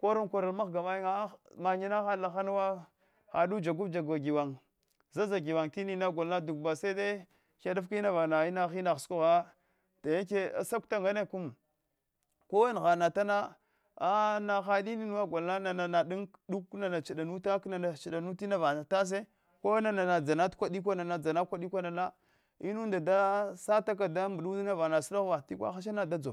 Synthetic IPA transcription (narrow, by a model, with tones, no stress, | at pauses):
ko˦ɾo˦ŋkʷo˨ɾa˨lma˦xɡa˨ma˦ji˦ŋa˦ma˨ɲi˦na˦xa˦la˨xa˦n˦wa˦ | xa˨du˦d͡ʒa˨ɡu˦bd͡ʒa˨ɡa˨ɡi˨wa˨ŋ | za˦za˨ɡi˨wa˨ŋti˦ni˦na˦ɡʷa˨lna˦du˨k̚ba˨sa˦i˦de˦ | ka˦da˦fki˦na˦va˨na˨i˦na˦xi˦na˨xsku˦ɣa˦ | ta˨ja˦ke˦a̰˨sa˦kta˦ŋɡa˦ne˦˨ku˦m | ko˦wa˦n˨ɣa˨na˨ta˦na˦ | a˦na˨xa˦di˦ni˦nu˦wa˦ɡʷa˨lna˦na˨na˨na˨ɗu˦ŋdu˦kna˨na˨t͡ʃɗa˨nu˦ta˦kna˨na˨t͡ʃi˨ɗa˨nu˦ti˦na˦va˨na˨ta˦s̬e˦ | ko˦na˨na˨na˨d͡za˨na˦tkʷa˦ɗi˦k̬ʷa˦na˨na˨d͡za˨na˦kʷa˦ɗi˦kʷa˦na˨na˦ | i˦nu˦nda˨da˦sa˦ta˦k̬a˨da˦mbu˨ɗu˦na˦va˨na˨sla˦ɣva˨ti˦kʷa̰˦xa˦ʃ̬a˦na˨da˦d͡zo˨